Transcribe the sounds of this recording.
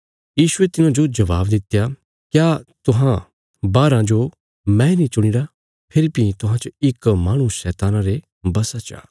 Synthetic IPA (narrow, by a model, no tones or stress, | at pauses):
jiːʃʊet̪ɪnãd͡ʒod͡ʒɐʋaːbd̪ɪt̪ja | kjaːt̪ʊɦã | baːɾãd͡ʒo | mɛ̃nĩt͡ʃʊɽ̃ɪɽa | pʰɪɾibit̪ʊɦãt͡ʃɪkmaːɽ̃uʃɛːt̪aːnãɾe | bɐsat͡ʃa̰ː